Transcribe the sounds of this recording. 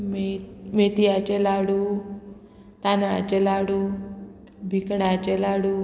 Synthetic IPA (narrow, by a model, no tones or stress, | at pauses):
mmet̪ijat͡ʃelaɽu | t̪anaɭa̰t͡ʃelaɽu | bʱikɳat͡ʃelaɽu